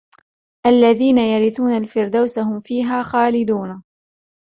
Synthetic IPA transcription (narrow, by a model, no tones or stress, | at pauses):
ʔalːaðiːnajaɾɪθuːnalfɪɾd̪awsahʊmfiːɦaːxaːlɪd̪uːna